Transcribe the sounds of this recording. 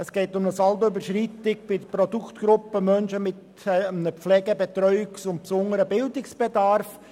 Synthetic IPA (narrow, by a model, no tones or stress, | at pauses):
ɛsɡ̥eːtʊmnəsɑlbəybəɾʃrit̪ɪk̚b̥ɪdprɔd̪ukt̪ɡ̥ɾʊpːəmœnʃəmɪt | nəflɛːɡəbɛt̪ɾœʏɪksʊnt̚psʊŋəɾəbɪld̪ɪksb̥ɛdɑɾf